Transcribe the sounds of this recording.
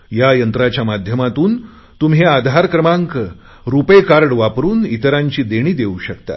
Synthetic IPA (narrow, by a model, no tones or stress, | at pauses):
jajənt̪ɾat͡ɕjamad̪ʱjəmat̪uːn | t̪umɦead̪ʱaɾkɾəmaŋk | ɾupəjkaɾɳʋapɾuːnit̪əɾaɲt͡ɕiːd̪eɽ̃iːd̪euɕəkt̪a̰